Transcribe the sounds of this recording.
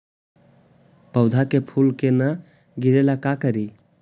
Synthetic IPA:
pəwd̪ʱakepʰulkenə | ɡɪɾelakakəɾi

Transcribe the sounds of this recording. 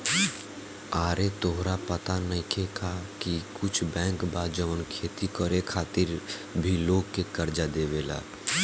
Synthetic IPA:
aːɾet̪oɦɾapət̪anəĩkʰekʰakikʊt͡ʃʰbɛ̃ːŋkbaːd͡ʒəʋənkʰeːt̪ikəɾekʰaːt̪ɪɾbʱiloːɡkekəɾd͡ʒad̪eːʋela̰ː

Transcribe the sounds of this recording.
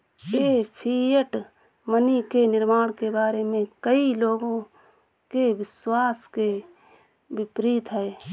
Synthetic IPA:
jeːpʰiːjəʈ | mənikenɪɾmaːɽ̃kebaːɾemẽkəiloːɡõ | keʋɪswaːske | bɪpɾiːt̪ɦɛeː

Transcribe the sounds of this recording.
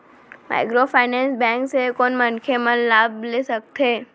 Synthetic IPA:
ma̰ːɪkɾofaːɪnɛ̃ːnsbɛ̃ːŋksekɔːnmənkʰemənlaːbleːsək̚t̪eː

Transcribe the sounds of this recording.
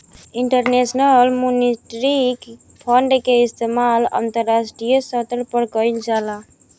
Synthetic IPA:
iɳʈəɾnesnəlmuniʈɾik | pʰəɳɖkeist̪emala̰nt̪əɾːasʈɾijəsət̪ɾpəɾɡəɪld͡ʒala

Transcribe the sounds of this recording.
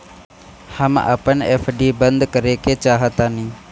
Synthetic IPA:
həma̰ːpənḛːfʰɖiːbənd̪kəɾekeːt͡ʃaːɦət̪aːnĩː

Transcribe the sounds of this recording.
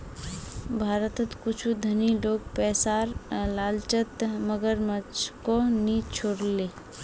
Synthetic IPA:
bʱaːɾət̪ət̪kʊt͡ʃʰud̪ʱəniloːɡ̚pɛːsaːɾlaːlt͡ʃət̪məɡəɾmət͡ʃkonit͡ʃʰoːɽle

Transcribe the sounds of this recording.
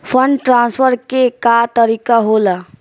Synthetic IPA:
pʰəɳɖʈɾãnspʰəɾkekat̪əɾikaɦola

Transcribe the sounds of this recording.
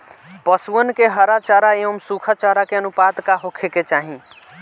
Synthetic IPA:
pəsuənkeɦəɾat͡ʃaɾaeʋəmsukʰət͡ʃaɾakeənupat̪kaɦokʰeket͡ʃaɦĩ

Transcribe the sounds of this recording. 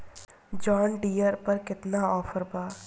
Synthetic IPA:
d͡ʒɔːnɖiːəɾpəɾkɪt̪naːɔːfʰəɾbaː

